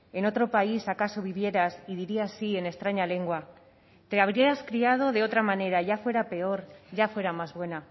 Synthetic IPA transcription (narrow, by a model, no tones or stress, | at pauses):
e̞no̞t̪ɾo̞paisakaso̞β̞iβ̞je̞ɾasiðiɾiasie̞ne̞st̪ɾaɲale̞ŋɡwa | t̪e̞aβ̞ɾieɾaskɾiað̞o̞ðe̞o̞t̪ɾamane̞ɾaʝafwe̞ɾape̞o̞ɾʝafwe̞ɾamazβwe̞na